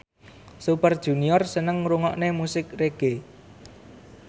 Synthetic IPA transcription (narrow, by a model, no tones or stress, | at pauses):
supərd̥ʒ̥ṳniɔrsənəŋɾuŋɔʔnemusɪkreɡ̥e